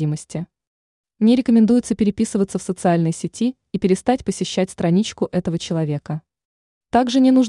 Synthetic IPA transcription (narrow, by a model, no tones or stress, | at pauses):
iməsʲtʲɪ | nʲeɾʲɪkəmʲɪnd̪ujʊt̪səpʲɪɾʲɪpʲisɨvət̪səfsət̪sɨalʲnɨjəsʲɪtʲi | ipʲɪɾʲɪst̪atʲpəsʲɪɕːæt̚ʲst̪ɾɐnʲit͡ɕkʊʔɛt̪əvət͡ɕɪlˠɐvʲe̞kə | t̪aɡʐɨnʲɪnuʐ